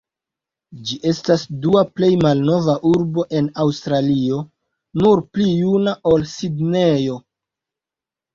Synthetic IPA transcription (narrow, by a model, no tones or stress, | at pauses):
d͡ʒiʔe̞stasduaple̞jmalno̞vaʔuɾbo̞ʔe̞nawstɾalio̞ | nuɾplijunao̞lsidne̞jo̞